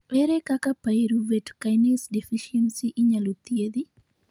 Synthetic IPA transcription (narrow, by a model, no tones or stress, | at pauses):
pɛɾɛkakapaeɾuvɛtkajnɛsdɛfiʃɛnsiʔɪɲalot̪jeði